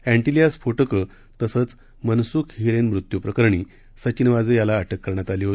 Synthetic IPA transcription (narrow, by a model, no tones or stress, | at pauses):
æ̃ɳʈiliasfoʈəkə | t̪əsət͡s | mənsuːkʰɦiɾenmɾut̪jupɾəkəɾɳi | sət͡ɕinʋad͡zejalaːʈʰəkːəɾɳ̃jat̪aliːɦoi